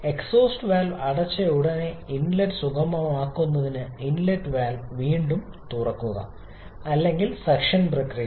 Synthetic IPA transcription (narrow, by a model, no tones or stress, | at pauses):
e̞kso̞ːsʈɨʋaːlʋɐɽɐt͡ɕːɐuɽɐneinlɐʈsukɐmɐʋɐmaːkːunːɐðinɨinlɐɖʋaːlʋʋiːɳɖum | t̪urɐkːuɣɐ̰ | ɐlːe̞ŋɡilsɐkʂɐnprɐkrijɐ